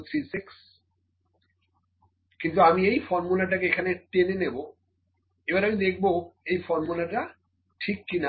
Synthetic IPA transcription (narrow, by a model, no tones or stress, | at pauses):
t̪ʰɾisiks | kint̪uamiejfɔɾmulaʈ̬akeekʰanetenenebo | ebaɾamid̪ek̚ʰboejfɔɾmulaʈa | ʈʰikːina